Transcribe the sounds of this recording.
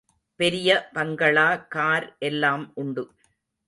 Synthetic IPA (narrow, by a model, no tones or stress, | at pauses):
pɛɾɪjɐpɐŋɡɐɭaːkaːɾʔɛlːaːmʔʊɳɖɯ